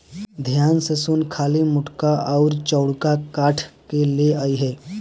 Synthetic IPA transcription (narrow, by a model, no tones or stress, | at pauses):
d̪ʱjansəsuːnkʰalimʊʈkaʔɔʊɾt͡ʃəwɽkakaʈʰkeleajɦe